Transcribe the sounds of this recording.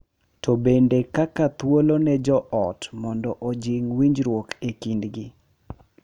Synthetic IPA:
tɔbendekakat̪wolonɛd͡ʒɔʔɔtmɔndɔʔod͡ʒiŋwiɲd͡ʒɾwokekindɡi

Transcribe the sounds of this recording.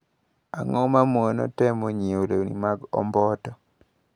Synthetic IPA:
aŋɔmamonɔ̰tɛmoɲeoɾenḭmaɡɔ̰mbɔtɔ

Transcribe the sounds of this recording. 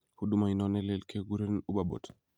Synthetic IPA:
hudumajnɔnɛlɛlkʰɛɡuɾɛnubabɔ̰tḁ

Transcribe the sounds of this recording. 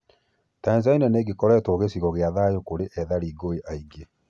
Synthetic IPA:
tainzainɛneɡekɔɾɛːtoɣesiɣɔɣeaðajokoɾeʔɛðaɾiɡoeʔaiɡe

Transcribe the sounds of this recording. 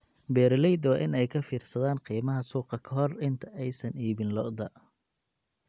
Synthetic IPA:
bɛːɾlɛjd̪wɑːʔɪnɛjkʰɐfiːrsɐðaːnqiːmɐɦɐsuːqɑkʰɐɦɔrɪnt̪ʰɐʔɛjsɐniːβɪnlɔʔd̪ɐ

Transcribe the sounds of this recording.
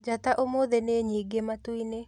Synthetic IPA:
d͡ʒataʔomoːðɛneɲiɡematwine

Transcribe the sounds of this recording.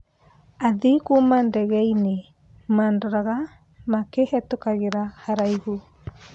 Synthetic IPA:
aðikumandɛɣɛine | maːndɔɾaɣa | makehɛtokaɣeɾahaɾaihu

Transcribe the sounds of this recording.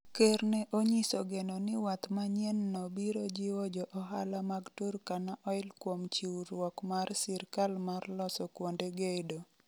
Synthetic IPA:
kernɛʔoɲisoɡenonɪwat̪maɲjɛnːɔbiɾod͡ʒɪwɔd͡ʒɔʔɔɦa̰lamaɡturkanaʔɔɪlkwomt͡ʃiwɾwɔkmarsɪɾkalmarlɔsɔkwondeɡedo

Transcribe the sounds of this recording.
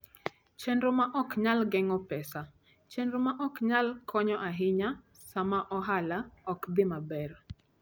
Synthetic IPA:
t͡ʃɛndɾomaʔɔkɲalɡɛŋɔpɛsa | t͡ʃendɾomaʔɔkɲalkʰɔɲɔʔaɦɪɲa | samaʔɔɦalaɔkd̪ɪmabɛr

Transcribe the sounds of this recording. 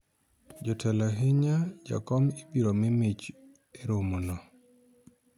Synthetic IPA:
d͡ʒɔtʰɛlaɦɪɲad͡ʒa̰kɔmibiɾɔmimɪt͡ʃ | eɾomunɔ

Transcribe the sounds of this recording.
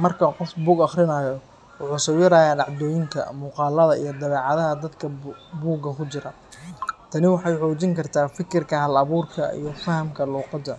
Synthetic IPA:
mɐrkʰɐqɔfbuːɡɑχrɪnaːjɔ | wʊħuːsɔːwjɪɾaːjaːɖɑʕd̪ɔːjɪŋk̪ʰɐ̰muːqɑːlɐðɐijɞd̪ɐβɛːʕɑðɐɦɐd̪ɐd̪kʰɐbuːɡɐkʰʊt͡ʃɪɾɐ | t̪ʰɐnɪwɑħɑjħɔːt͡ʃɪŋkʰɐrt̪ʰaːfɪkʰɪrkʰɐɦɐlɐβuːrkʰɐ̰ḭjɞfɐɦɐmkʰɐluːqɑd̪ɐ

